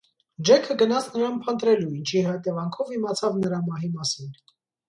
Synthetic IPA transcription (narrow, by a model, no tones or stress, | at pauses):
d͡ʒɛkʰəɡənɑt͡sʰnəɾɑnpʰənt̪ɾɛluint͡ʃʰiɦɑt̪ɛvɑŋkʰɔvimɑt͡sʰɑvnəɾɑmɑɦimɑsin